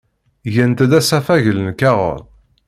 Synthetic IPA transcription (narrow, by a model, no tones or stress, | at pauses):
jənt̪d̪æsæfæʝələnkæʁə̰ɾˤ